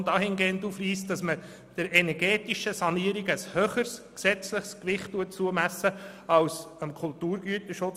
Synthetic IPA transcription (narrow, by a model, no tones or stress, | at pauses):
dɑːhɪnɡeːntufriːstd̥ɑsmə | d̥əɾɛnɛɾɡeːtiʃəsɑniːəɾiɡəshøːχəɾsksɛt͡sləχskʋɪχttːuət̚t͡suəmæsːə | ɑlsəmkʰʊltuːɾɡyətəʃʊt͡s